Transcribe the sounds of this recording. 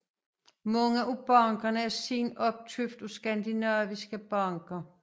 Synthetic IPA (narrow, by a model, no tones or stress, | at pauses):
mɑŋʔub̥ɑ̈ŋɡ̥ɐnəæɐsiːnɒ̽b̥̚t͡sʰyfd̥usɡ̥ænd̥inɑːʋisɡ̥əb̥ɑ̈ŋɡ̥ɐ